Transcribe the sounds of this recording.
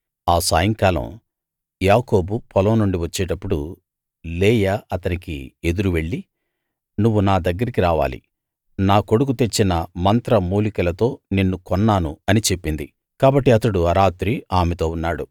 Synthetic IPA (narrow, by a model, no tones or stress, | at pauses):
aːsaːjɐŋkaːlɐ̰m | jaːko̞ːbupʰɔlɐmnːuɳɖiʋɐt͡ʃːɛːʈɐpːuɽu | lɛːjɐɐt̪ɐnikḭe̞d̪uɾuʋe̞ɭːi | nuʋːunaːd̪ɐɡːɐɾikiɾaːʋa̰ːlḭ | naːko̞ɽukut̪e̞t͡ʃːinɐmɐnt̪ɾɐmuːlikɐlɐt̪o̞ːnenːukɔnːaːnuɐnit͡ʃe̞pːind̪i | kaːbɐʈːiɐt̪ɐɽuɐɾaːt̪ɾiaːmɛt̪o̞ːunːaːɽu